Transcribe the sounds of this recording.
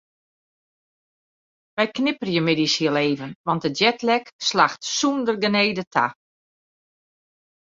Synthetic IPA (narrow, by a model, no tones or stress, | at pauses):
ʋɛjknɪpər̩jəmɪdisiəleːvənʋɑnt̚dəjɛtlɛkslaxtsundərɡəneːdətʰa̰